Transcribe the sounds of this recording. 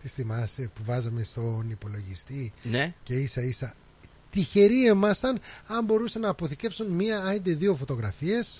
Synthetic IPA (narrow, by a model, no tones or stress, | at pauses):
t̪isθimɐsepuvɐzɐmest̪o̞nipo̞lo̞ʝist̪ince̞isɐisɐ | t̪içe̞ɾiemɐst̪ɐnɐmbo̞ɾusɐnɐːpo̞θice̞fsunmiɐɐnd̪eðio̞fo̞t̪o̞ɣɾɐfie̞s